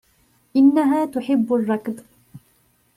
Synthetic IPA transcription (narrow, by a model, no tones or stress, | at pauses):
ʔɪnːaɦaːt̪ʊħɪbːarˤːɑkd̪